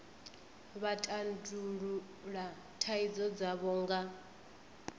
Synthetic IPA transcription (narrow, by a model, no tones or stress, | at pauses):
βatʼanduɺu | ɺa | tʰaid͡zɔd͡zaβɔːŋɡa